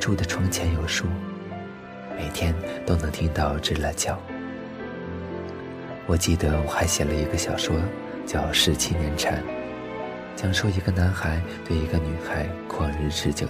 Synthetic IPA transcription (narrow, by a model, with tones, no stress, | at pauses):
ʈ͡ʂu˥˩d̪ə˩ʈ͡ʂʰʊ˧˥ŋt͡ɕʰjɛ˧˥njo˨˩ʊʂu˥˩ | me˨˩ɪt̪ʰjɛ˥nt̪o˥ʊnɤ˧˥ŋt̪ʰi˥ŋt̪ɑ˥˧ʊʈ͡ʂɻ̩˥˩la˧˥t͡ɕjɑ˨˩˦ʊ | wɔ˨˩t͡ɕi˥˩d̪ə˩wɔ˨˩xa˧˥ɪɕjɛ˨˩nlə˧i˧˥ɡə˧ɕjɑ˨˩ʊʂwɔ˥ | t͡ɕjɑ˥˧ʊʂɻ̩˥˧t͡ɕʰi˥njɛ˧˥nʈ͡ʂʰa̰˧˥n | t͡ɕjɑ˥ŋʂo˥i˧˥ɡə˧na˧˥nxa˧˥ɪt̪we˥˩ɪi˧˥ɡə˧mi˧˥ŋxa˧˥ɪkʰwɔ˥˩ɻ̩˥˧ʈ͡ʂɻ̩˥˧t͡ɕjo˨˩